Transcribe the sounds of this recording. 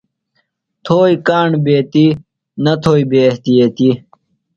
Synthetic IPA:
t̪ʰoːikaːɳbeːt̪i | nɐt̪ʰoːibeːht̪ijet̪i

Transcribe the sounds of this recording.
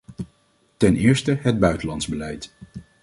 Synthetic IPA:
tɛnɪːɹstəɦəd̚bœɥtəlɑndz̥bəlɛjt

